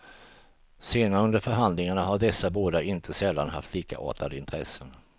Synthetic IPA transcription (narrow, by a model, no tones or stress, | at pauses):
seːnaɾɵnd̪əɾfœɾɦand̪lɪŋaɳaɦaɖɛsːaboːd̪aʔɪnt̪ʰəsɛlːanɦaft̪liːka̰ʔo̰ːt̪ad̪əɪnt̪ʰɾɛ̰sːən